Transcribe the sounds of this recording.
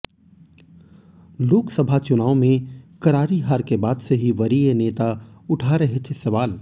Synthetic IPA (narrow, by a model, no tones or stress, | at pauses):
loːksɐbʱat͡ʃʊnaːõmẽkɐɾaːɾiɦaːɾkebaːd̪seɦiʋɐɾineːt̪aʊʈʰaɾɐɦet̪ʰesɐʋaːl